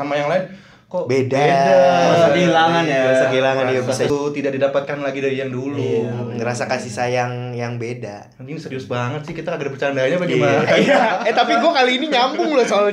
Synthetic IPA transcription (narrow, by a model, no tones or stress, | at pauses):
amajaŋlaɪn | kobedaedaasaɡiilaŋanaasaɡiilaŋanabsat̪idaʔ̚didapat̪̚kanlaɡidaɾijaŋduluŋəɾasakasisajaŋjaŋbeda | inisəɾiʊsbaŋət̪̚sɪhkit̪akaɡdpərt͡ʃandaɲapaɡimanajaɛt̪apiɡuakaliːniɲambʊŋlɔsoal